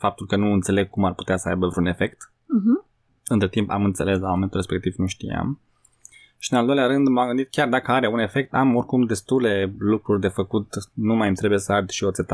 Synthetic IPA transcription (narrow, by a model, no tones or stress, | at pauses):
fap̚t̪ulkənuɨnt̪se̞le̞ɡ̚kumarpu̥t̪easəa̰jbəvɾeune̞fe̞kt̪̩ | ɦ̩ | ɨnt̪ɾet̪impa̰mɨnt̪se̞le̞s̬lamoment̪ulrɾespe̞k̚t̪ivnuʃt̪ḭja̰m | ʃiɨnald̪o̞jlʲaɾɨnd̪mamɡɨnd̪it̪̚kʲjard̪akəaɾeune̞fe̞k̚t̪amo̞rkumd̪e̞st̪ule̞lukɾurʲd̪e̞fəkut̪numajmt̪ɾebujesəad̪ʲʃio̞t̪set̪a